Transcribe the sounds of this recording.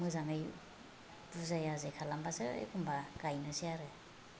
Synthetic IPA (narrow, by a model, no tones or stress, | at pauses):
mɯzamej | b̥uzajazɯkʰalambasɯḛkʰumbaɡ̥ajnɯsiaɾɯ